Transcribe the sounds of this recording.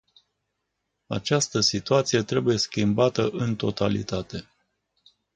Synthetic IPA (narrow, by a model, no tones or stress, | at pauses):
a̰t͡ʃast̪əsit̪uat̪sije̞t̪ɾe̞buje̞skʲimbat̪əʔɨnt̪o̞t̪alḭt̪at̪e̞